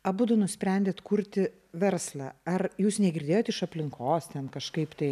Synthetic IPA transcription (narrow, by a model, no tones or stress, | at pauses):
ɐbuːd̪ʊnʊsʲpʲɾʲɛnʲd̪ʲeːt̪kuɾʲt̪ʲɪ | ʋʲɛɾslˠɑːɐrjuːsnʲɛɡʲɪɾʲdʲeːjoːt̪ɪʃɐpʲlʲɪŋkoːst̪ʲɛnkɐʃkɐɪpt̪ɐɪ